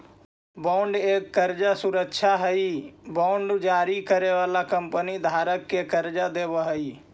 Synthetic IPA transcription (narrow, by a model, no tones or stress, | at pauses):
baʊɳɖeːkːəɾd͡ʒasʊɾəkʃʰaɦəibɔɳɖd͡ʒaːɾikəɾeʋaːlakəmpənid̪ʱaːɾəkːekəɾd͡ʒad̪eːbəɦəi